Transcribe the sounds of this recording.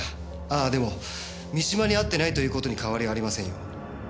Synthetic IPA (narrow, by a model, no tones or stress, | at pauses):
a | aːd̪e̞mo̞ | mʲiɕimaɲ̟iat̪ːe̞nait̪o̞jɯ̟ːko̞t̪o̞ɲ̟ikaβaɾʲiaːɾimasẽ̞ɰ̃jo̞̰